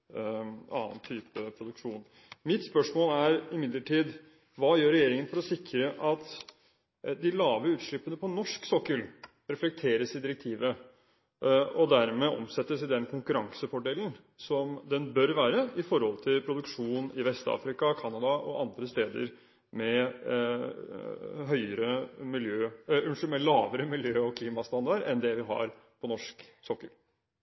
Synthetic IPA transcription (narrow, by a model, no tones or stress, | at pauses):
ɑːnt̪ʰyːpəpʰɾʊd̪ʉkʂuːn | mɪt̪spœʂmoːlæɾɪmɪd̪ləʈʰiːd̪ | ʋɑːjøːɾɛjeːɾɪŋənfɔɾɔsɪkːɾəʔɑt̪ | d̪ɪlɑːʋəʉːt̪ʂɭɪpːənəpʰɔnɔʂksɔkːəl | ɾɛflɛk̚t̪ʰeːɾəsɪd̪ɪɾɛk̚t̪ʰiːʋə | ɔd̪æɾmɛʔɔ̰msɛt̪ːəsɪd̪ɛnkʰʊŋkʉɾɑŋsəfɔɖeːln | sɔmd̪ɛnbœɾʋæːɾəɪfɔɾhɔlt̪ʰɪlpʰɾʊd̪ʉkʂuːnɪʋɛst̪ɑ̰ːfɾɪkɑkʰɑnɑd̪ɑʔɔʔɑnd̪ɾəst̪eːd̪ə̰ɾ | mɛ | ɦœʏəɾəmɪljøːʉnʂəmɛlɑːʋəɾəmɪljøːɔkʰliːmɑst̪ɑnd̪ɑɖɛnd̪ɛʋɪɦɑ̰ɾ | pʰɔnɔʂksɔkːəl